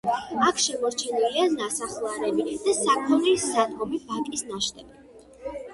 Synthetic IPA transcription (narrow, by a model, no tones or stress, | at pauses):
akʰʃɛmɔɾt͡ʃʰɛnilianasaχlˠaɾɛbid̪̥asakʰɔnisad̪ɡɔbipʰakʼisnaʃt̪ʼɛbɛ